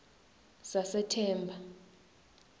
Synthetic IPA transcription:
sasɛtʰɛːmbʱa

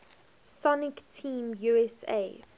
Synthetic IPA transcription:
sɔnɪktʰĩːmjuɛsḛ

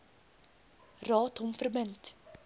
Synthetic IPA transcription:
rɑːtɦɔmfərbənt

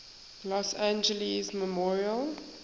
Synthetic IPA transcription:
lɔsãnd͡ʒəlizməmɔɹiəl

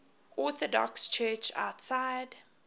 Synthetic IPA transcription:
ɔθɔdɔ̰kst͡ʃʰɜːt͡ʃa̰ʊtsaɪd

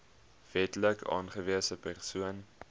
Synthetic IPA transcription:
v̥ɛtləkʰɑ̰ːnχəviəsəpærsuən

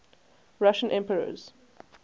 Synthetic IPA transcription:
ɹaʃə̃nʔɛ̃mpəɹə̰z̥

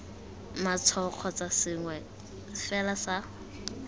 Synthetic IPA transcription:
mat͡sʰɔq͡χʰɔt͡sasɪŋwɛ | fɛlasa

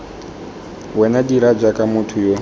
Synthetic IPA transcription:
wɛnadiɾad͡ʒakʼamutʰujo

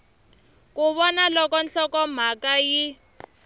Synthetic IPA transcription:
kuβɔnalɔkɔnɬɔkɔm̤akaji

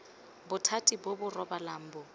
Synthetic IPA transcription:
bʊtʰatʼibʊbʊrɔbalaːm̩bɔ

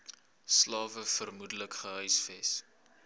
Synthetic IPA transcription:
slɑːvəfərmudələkχəɦœɥsfɛs

